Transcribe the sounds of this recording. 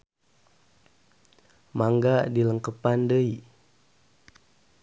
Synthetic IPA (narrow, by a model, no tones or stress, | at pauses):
maŋɡadiləŋkəpandəi